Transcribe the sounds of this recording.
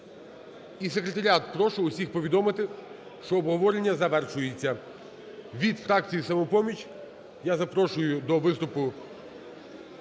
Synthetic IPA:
is̬ekɾet̪ɐɾʲat̪pɾɔʃʊʊsʲixpɔʋʲid̪ɔmɪt̪ɪ | ʃt͡ʃɔːbɦɔʋɔɾenʲːɐzɐʋɛrʃʊjet͡sʲːɐ | ʋʲid̪fɾɑk̚t͡sʲijisɐmɔpɔmʲit͡ʃʲ | jazɐpɾɔʃʊjʊd̪ɔʋɪst̪ʊpʊ

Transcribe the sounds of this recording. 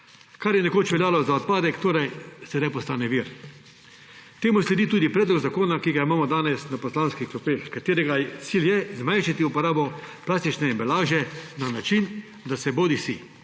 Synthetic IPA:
kaɾjɛnɛkoːt͡ʃʋɛljaːlɔzaɔt̪̚paːd̪ɛkt̪oːɾajsɛd̪ajpɔst̪aːnɛʋiɾ | t̪eːmuslɛd̪iːt̪uːd̪ipɾɛːd̪lɔɡzakoːnakiːɡaimaːmɔd̪aːnɛsnapɔslaːnskiklɔpeːxkat̪eːɾɛɡat̪siljɛzmajnʃat̪iupɔɾaːbɔplaːst̪it͡ʃnɛimbɛlaːʒɛnanat͡ʃin | d̪asɛboːd̪isi

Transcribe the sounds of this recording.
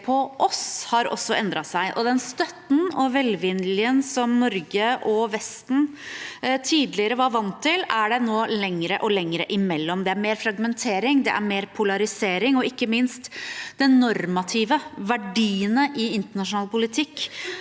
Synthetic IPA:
pʰɔʔɔshɑɾɔ̰sːɔɛnd̪ɾɑsæɪʔɔ̰d̪ɛnst̪œt̪n̩ɔʋɛlʋɪnlɪənsɔmnɔɾɡəʔɔʋɛst̪n̩ | t̪ʰiːd̪lɪəɾəʋɑɾʋɑnt̪ʰːɪlæɖɛnoːlɛŋːɾəʔɔlɛŋɾə̰ʔɪmɛlːɔmd̪ɛæɾmeːɾfɾɑɡmɛnt̪ʰeːɾɪŋd̪ɛʔæ̰ɾmeːɾpʰʊlɑɾɪseːɾɪŋɔɪkːəmɪnst̪d̪ɛnnɔɾmɑt̪ʰɪːʋəʋæɖiːənəʔɪɪnt̪əɳɑʂʊnɑːlpʰʊlɪt̪ʰɪkː

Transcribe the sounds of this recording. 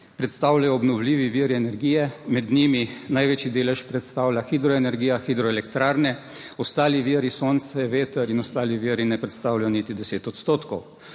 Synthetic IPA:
pɾɛt̪st̪awlajɔːbnɔwliːʋiʋiːɾiɛnɛɾɡiːjɛmɛd̪niminajʋeːt͡ʃid̪eːlɛʃpɾɛt̪st̪aːwlʲaxid̪ɾɔɛnɛɾɡiːjaxid̪ɾɔɛlɛkt̪ɾaːɾnɛ | ɔst̪aːliʋiɾisoːnt̪sɛʋeːt̪ɛɾinɔst̪aːliʋiɾinɛpɾɛt̪st̪awlajɔnit̪id̪ɛseːt̪ɔt̪st̪oːt̪kɔw

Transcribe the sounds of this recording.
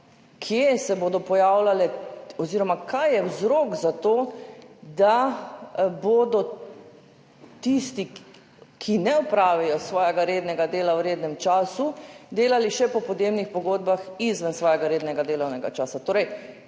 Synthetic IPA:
kʰjesɛboːd̪ɔpɔjaːwlalɛɔziːɾɔmakʰajːɛwzɾokzat̪oː | d̪a | boːd̪ɔ | t̪ist̪i | kʰinɛɔpɾaːʋijɔsʋɔːjɛɡaɾeːd̪nɛɡad̪eːlawɾeːd̪nɛmt͡ʃaːsud̪eːlaliʃɛpɔpɔd̪jeːbnixpɔɡoːd̪̚baxizʋənsʋɔːjɛɡaɾeːd̪nɛɡad̪eːlɐwnɛɡa̰t͡ʃaːsat̪oːɾɛj

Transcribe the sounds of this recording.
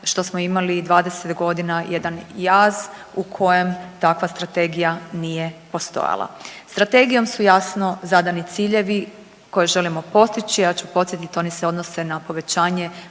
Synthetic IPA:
ʃt̪o̞smo̞imalid̪ʋaːd̪e̞se̞t̪ɡo̞d̪inajed̪anjaːz | ukʰo̞je̞mt̪akʋast̪ɾat̪e̞ɡijanije̞po̞st̪o̞̰ja̰lˠa̰st̪ɾat̪e̞ɡijo̞msujasno̞zad̪anit̪siːʎe̞ʋi | ko̞jeʒe̞limo̞po̞st̪it͡ɕiat͡ɕupo̞t̪sjet̪it̪o̞niseo̞d̪no̞se̞napo̞ʋe̞t͡ɕaːɲe̞

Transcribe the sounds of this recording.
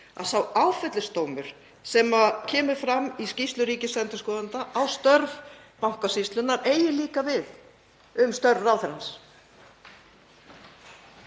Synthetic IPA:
a̰ðsawaːwfɛt̪lɪst̪oːwmʏɾ̥ | sɛmacʰɛːmʏ̥fɾamiscist̪lʏɾiːcɪsɛnt̪ʏ̥skɔːðant̪aʔawst̪œɾv | mawhkasist̪lʏnːaɾeːjɪliːkavɪð | ʏmst̪œɾvawθɛɾans

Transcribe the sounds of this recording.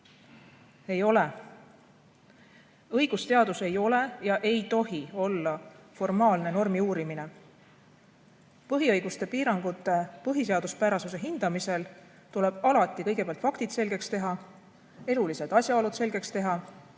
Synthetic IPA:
e̞jo̞le̞ | ɤ̞jɡ̥ust̪e̞ɑd̪̥use̞jo̞le̞jɑʔe̞jt̪o̞ɦio̞lːɑfo̞rmɑːlne̞no̞rmiuːɾimine̞ | pɤɦiɤjɡust̪e̞piːɾɑŋɡ̥ut̪ːˑe̞pɤɦise̞ɑd̪̥uspæɾɑsuse̞ɦind̪̥ɑmise̞l | t̪ule̞b̥ɑlɑt̪ːˑikɤ̞jɡepeɑlt̪fɑkt̪id̪̥se̞lɡe̞kst̪e̞ɦɑ | e̞lulise̞d̪̥ɑsʲjɑolud̪se̞lɡe̞kst̪e̞ɦɑ

